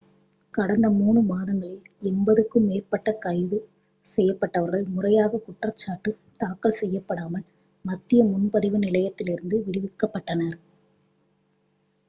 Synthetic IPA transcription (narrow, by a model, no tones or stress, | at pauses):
kɐɽɐnd̪ɐmuːɳɯmaːðɐŋɡɐɭɪl | ɛnbɐðɯkːɯmeːrpɐʈːɐkɐɪðɯ | sɛjːɐpːɐʈːɐʋɐɾɣɐɭmʊrɐjaːɣɐkʊʈrɐt͡ʃːaːʈːɯm | t̪aːkːɐɭsɛjːɐpːɐɽaːmɐl | mɐt̪ːɪjɐmʊnpɐðɪʋɯnɪlɐjɐt̪ːɪlɪɾɯnd̪ɯʋɪɽɪʋɪkːɐpːɐʈːɐnɐɾ